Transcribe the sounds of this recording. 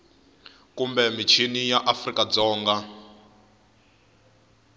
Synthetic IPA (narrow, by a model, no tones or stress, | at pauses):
kumbɛmit͡ʃʰinijaʔafrikad͡zɔːŋɡa